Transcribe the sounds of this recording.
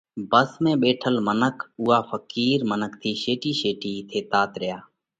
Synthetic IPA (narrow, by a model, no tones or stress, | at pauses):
bəsmẽːɓeːʈʰəlmənəkʰuːɦaːfəkiːɾmənək̚ʰt̪ʰiːʃeːʈiːʃeːʈiːt̪ʰeːt̪aːt̪ɾɪjaː